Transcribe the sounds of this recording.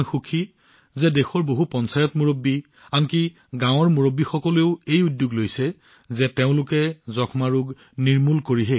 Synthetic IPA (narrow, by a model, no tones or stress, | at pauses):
xukʰi | zɛdexʰɔɹboɦupɔnsajɔtmuɹobːi | anki | ɡãw̃ɔɹmuɹobːixɔkɔleʊejudjuɡlojsɛ | zɛteʊ̃lʊkɛzɔkʰmaɹuɡ | niɹmulkoɹiɦɛ